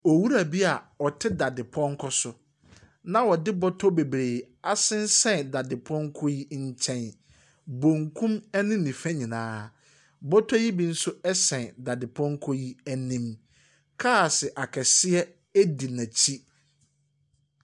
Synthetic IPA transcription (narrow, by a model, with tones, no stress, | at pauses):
ɔ˨wu˦ɾa˨bi˦a˨ɔ˨tʰɪ˦da˨dɪ˨pʰɔ̃˦ŋ˦kʰɔ˦sʊ˨ | nã˨wɔ˨dɪ˦bɔ˦tʰɔ˦be˨bɾeː˨ | a˨sɪ̃˦n̩˦sɛ̃˨nda˨dɪ˨pʰɔ̃˦ŋ˦kʰɔ˦ji˦ɲ̩˦t͡ɕʰɛ̃˦n | bõ˨ŋkʰũ˦mɛ˦nɪ̃˦nĩ˨fɛ̃˦ɲĩ˨nãː˦ | bɔ˦tʰɔ˦ji˦bi˦n̩˦sʊ˦ɛ˦sɛ̃˨nda˨dɪ˨pʰɔ̃˦ŋ˦kʰɔ˦ji˦æ˨nĩ˦m | kʰa˦˨sɪ˨ʔa˨kʰɛ˨sɪ˦ɛ˦ | æ˦di˨næ̃˨t͡ɕʰi˦